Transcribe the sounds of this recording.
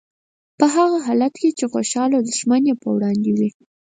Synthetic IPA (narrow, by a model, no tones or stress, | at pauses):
pəɦaɣaɦɑlat̪ket͡ʃexoʃɑlod̪əʒmanepə̰wɽɑnd̪ewi